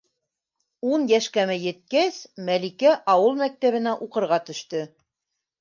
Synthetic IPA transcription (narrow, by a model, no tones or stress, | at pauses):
unjæʃkæmɘjɘ̆t̪̚kæsmælikæʔɑwɤlˠmæk̚t̪æβɘ̆næʔuqɤ̆ɾʁɑt̪ɵ̆ʃt̪ɵ